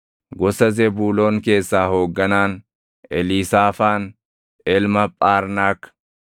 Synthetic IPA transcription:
ɡɔsɐzɛbuːlo̞ːŋke̞ːsːaːho̞ːɡːɐnaːn | ʔɛliːsaːfaːn | ɛlmɐpʼaːɾnaːkː

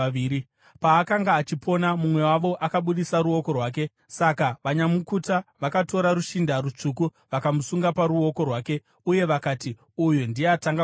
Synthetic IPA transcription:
ii | paːkaŋɡaːt͡ʃipʰo̞namumwe̞waʋo̞ʔakaɓuɗisaɾuo̞ko̞rwaːk̬e̞ | sakaʋaɲamukutaʋakato̞ɾaɾuʃindaɾut͡ʂuku | ʋakamusuŋɡapaɾuo̞ko̞rwaːke̞ | uje̞ʋakati | ujondieataŋɡa

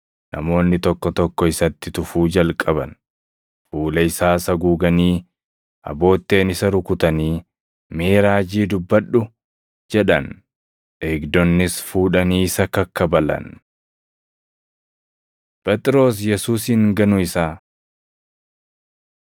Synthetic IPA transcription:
nʔɐ̰mo̞ːnːɪt̪ɔkːɔt̪ɔkːɔɪsɐt̪ːɪt̪ʊfuːd͡ʒɐlkʼɐbɐ̰n | fuːlɐɪsaːsɐɡuːɡɐniː | ʔɐ̰bo̞ːt̪ːe̞ːnɪsɐɾʊkʊt̪ɐniː | meːɾaːd͡ʒiːd̪ʊbːɐɗːʊ | d͡ʒɛᶑɐ̰n | ʔeːɡd̪ɔnːɪsfuːᶑɐniːɪsɐkɐkːɐbɐlɐ̰n | pʼɛt̪ʼɪɾo̞ːs̬jɛsuːs̬ɪŋɡɐnʊɪsaː

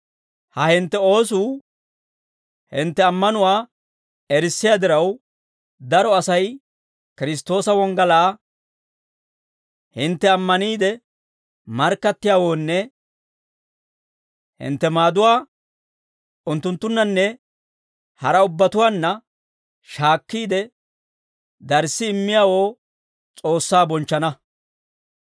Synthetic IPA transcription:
hɐhɪnt̪ːɛo̞ːs̬uː | hɪnt̪ːɛɐmːɐnʊwaː | ɛɾɪsːɪjaːd̪ɪɾɐw | d̪ɐɾɔɐsɐj | kɪɾɪs̬t̪ːo̞ːsɐwɔŋɡɐlaː | hɪnt̪ːɛɐmːɐniːd̪ɛ | mɐɾkːɐt̪ːɪjaːwo̞ːnːɛ | hɪ̰nt̪ːɛmaːd̪ʊwaː | ʊnt̪ːʊnt̪ːʊnːɐnːɛ | hɐɾɐʊbːɐt̪ʊwaːnːɐ | ʃaːkːiːd̪ɛ | d̪ɐɾsːɪɪmːɪjaːwo̞ː | t͡sʼo̞ːsːaːbɔnt͡ʃːɐnɐ

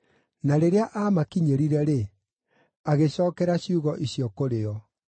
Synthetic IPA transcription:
naɾeɾeaʔamakiɲeɾiɾɛɾe | aɣeɕɔːkɛɾaɕiuɣɔʔiɕiɔkoɾeɔ

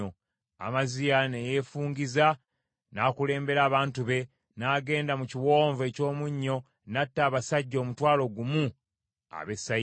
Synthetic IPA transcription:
o | a̰mazijanejefuːŋɡiza | naːkule̞ːmbe̞ɾaːβaːntuβe̞ | naːɡe̞ːndamuciwo̞ːɱve̞ːco̞ːmuɲːo̞ | natːaːβasaɟːo̞ːmutwaːlo̞ɡumu | a̰βe̞sːa

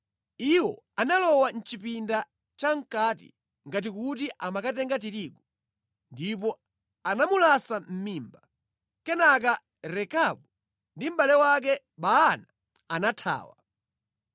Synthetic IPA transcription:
iwɔ | analɔwan̩t͡ʃipinda | t͡ʃaŋ̩katḭ | ŋɡat̬ikut̬iʔamakatɛŋɡat̬iɾiɡɔ | ndip̬ɔ | anamulasam̩miːmba | kɛnak̬a | ɾɛkaɓu | ndim̩balɛwak̬ɛ | ɓaːnaː | natʰa̰ːwa̰

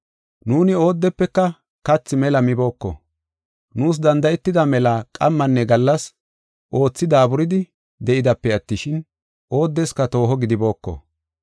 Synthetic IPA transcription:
nuːnɪo̞ːd̪ːɛpːɛkːɐ | kɐt͡sːɪmɛlɐmɪbo̞ːkːɔ̰ | nuːs̬d̪ɐnd̪ɐjɛt̪ːɪd̪ɐmɛlɐkʼɐmːɐnːɛɡɐlːɐs | ʔo̞ːt͡sːɪd̪aːbʊɾɪd̪ɪ | d̪ɛʔɪd̪ɐpːɛɐt̪ːɪʃɪn | ʔo̞ːd̪ːɛskɐt̪o̞ːɦɔɡɪd̪ɪbo̞ːkːɔ̰

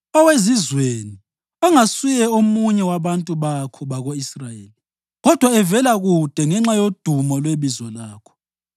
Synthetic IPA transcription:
ɔwezizweni | ɔŋasujɛomuɲɛwaβantʼuβakʰɔβaɣoisrajeːli | ɣɔd̥ʱwaɛvɛlaɣud̥ʱɛŋɛŋ͡ǁajod̥ʱumɔlweβizɔlaːkʰɔ̥

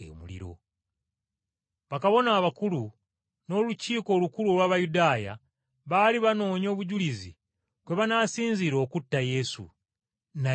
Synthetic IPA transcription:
ḛmṵlḭɾo̞̰ | βakaβo̞naːβakulu | no̞ːluciːko̞ːlukuluolwaːβajudaːja̰ | βaːliβano̞ːɲo̞ːβuɟulizḭ | kwe̞βanaːsiːnziɾo̞ːkutːaje̞sṵ | na

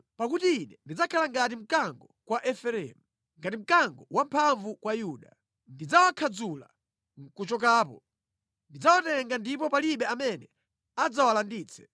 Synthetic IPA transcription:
pakutiːnɛndid͡zakʰalaŋɡat̬im̩kaŋɡɔkwaʔɛfɛɾɛ̰mu | ŋɡatim̩kaŋɡɔwampʰaɱvukwajuːɗa | ndid͡zawakʰad͡zula̰ | ŋ̩kut͡ʃɔkaːpɔ | ndid͡zawatɛŋɡandip̬ɔpaliɓɛamɛnɛ | ad͡zawalandiːt͡sʰɛ̥

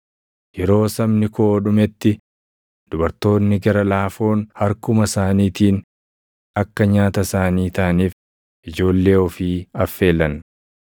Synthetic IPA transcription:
jɛɾo̞ːsɐmnɪkoːᶑʊmɛt̪ːɪ | d̪̥ʊbɐɾt̪o̞ːnːɪɡɐɾɐlaːfo̞ːnhɐɾkʊmɐsaːniːt̪iːn | ɐkːɐɲaːt̪ɐsaːniːt̪ɐʔɐniːf | ʔɪd͡ʒo̞ːlːe̞ːɔfiːɐfːe̞ːlːɐn

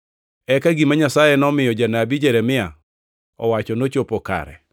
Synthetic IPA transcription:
ɛkaɡimaɲasajɛnɔmɪjɔd͡ʒanabid͡ʒɛɾɛmɪa | ɔ̰wat͡ʃɔnot͡ʃopoka̰ɾɛ̰

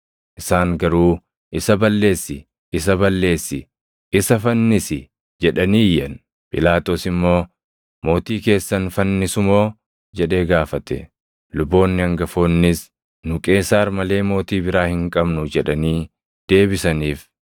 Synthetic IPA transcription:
ʔɪsaːŋɡɐɾuː | ʔɪsɐbɐlːe̞ːsːɪ | ɪs̬ɐbɐlːe̞ːsːɪ | ɪsɐfɐnːɪsɪ | d͡ʒɛᶑɐniːjɐn | pʼɪlaːt̪oːsɪmːo̞ː | mo̞ːt̪iːke̞ːsːɐnfɐnːɪsʊmo̞ː | d͡ʒɛᶑe̞ːɡaːfɐt̪ɛ̰ | lʊbːo̞ːnːɪɐŋɡɐfo̞ːnːɪs | nʊkʼe̞ːsaːɾmɐle̞ːmo̞ːt̪iːbɪɾaːhɪŋkʼɐbnʊd͡ʒɛᶑɐniː | d̪̥e̞ːbɪsɐniːf

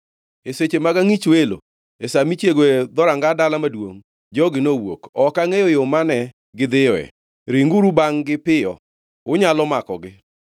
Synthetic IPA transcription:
eset͡ʃemaɡaŋit͡ʃwelo̰ | esamit͡ʃjeɡoed̪ɔɾaŋɡadalamadwo̰ŋ | d͡ʒɔɡɪnowo̰kɔkaŋejojomanɛ | ɡɪd̪ɪjɔɛ̰ | ɾiŋɡuɾubaŋɡɪpɪɔ̰ | ʊɲalɔmakɔ̰ɡɪ

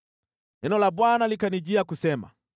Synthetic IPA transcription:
ɛnɔlaɓwanalikanid͡ʒiakusɛma̰

